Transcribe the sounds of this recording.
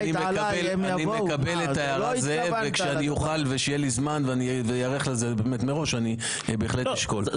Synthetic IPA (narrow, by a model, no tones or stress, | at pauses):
nimekabel | animekabeletajaʁazevekʃeanijoχalveʃejelizmanveanivejaʁeχlezebeːmetmeʁo̞ʃani | beːχleiʃkol